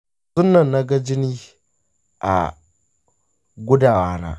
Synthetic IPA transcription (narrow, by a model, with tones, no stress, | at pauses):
sʊ˦nːɐ˨nːa˦ɡa˦d͡ʒɪ˦niː˦ | ʔa̰˨ | ɡʷʊ˦da˨waː˦na̰˨